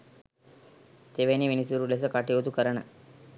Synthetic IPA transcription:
t̪eʋeniʋinisuɾules̬ɐkaːʈijot̪ukɐɾɐɳɐ̰

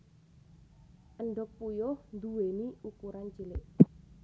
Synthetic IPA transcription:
ʔənɖɔk̚pujʊhnd̪uweniukuɾant͡ʃilɪʔ

